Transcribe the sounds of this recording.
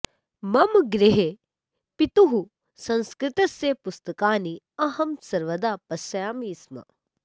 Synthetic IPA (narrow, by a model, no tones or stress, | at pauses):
mɐmɡɾiɦe | pit̪uɦu | sɐ̃nskɾɪt̪ɐsjepust̪ɐkaːni | ɐɦɐmsɐɾʋɐd̪aːpɐsɐjaːmiːsmɐ̰